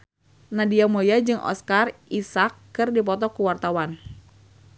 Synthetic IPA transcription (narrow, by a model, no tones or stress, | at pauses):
nadiamojad͡ʒɨŋʔɔ̰skarisakː | ɨrdip̬ɔt̪ɔkuwart̪awan